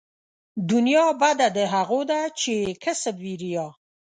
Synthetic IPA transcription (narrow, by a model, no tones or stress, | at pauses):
d̪unjɑbad̪ad̪əɦaɣod̪at͡ʃekʰəsəbviɾijɑ